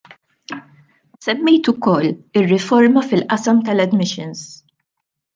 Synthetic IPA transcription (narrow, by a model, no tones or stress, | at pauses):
sɛmːɛjt̪ʊkɔlːɪrːɪfɔɾmɐfɪlʔɐsɐmt̪ɐlɛd̪mɪʃɪns